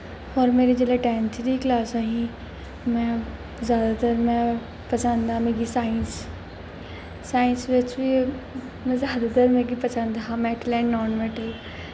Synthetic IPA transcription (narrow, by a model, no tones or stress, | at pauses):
ɔːɾmeːɾed͡ʒeːlaʈɛ̃ːnt̪ʰid̪iːklaːsaɦĩ | mɛ̃ː | zjaːd̪at̪əɾmɛ̃ː | pɐsãnd̪aːmẽːɡisaːɪns | aːɪnsʋɪt͡ʃʋi | mɛ̃ːzjaːd̪aːt̪əɾmɛ̃ːɡipəsãnd̪aɦamɛːʈlɛ̃ːɳɖnɔːnmɛːʈəl